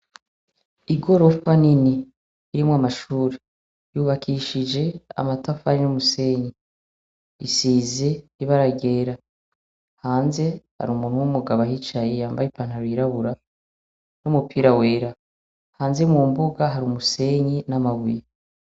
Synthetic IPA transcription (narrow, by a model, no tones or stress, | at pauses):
iɡo̞ɾo̞faniniː | ɾimwamaʃuːɾe | juβakʰiʃid͡ʒe̞a̰matafaɾinumuse̞ɲi | isiːze̞iβaɾaɡe̞ːɾa | haːnze̞ha̰ɾuːmuːn̥huwumuɡaβaɦit͡ʃajejaːmbajipanhaɾuiɾaβuɾa | numupʰiɾawe̞ːɾa | haːnze̞muːmbuɡaɦaɾumuse̞ɲinamaβuje